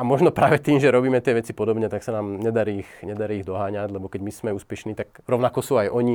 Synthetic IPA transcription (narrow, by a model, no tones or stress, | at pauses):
amɔʒnɔpɾaːʋɛt̪iːmʒɛɾɔbiːmɛt̪ɪɛʋɛt͡sipɔd̪ɔbɲɛt̪aksanaːmɲɛd̪aɾiːxɲɛd̪aɾiːɣd̪ɔɦaːɲaɟlɛbɔkɛɟmismɛuːspɛʃniːt̪akɾɔʊnakɔsuːajʔɔɲi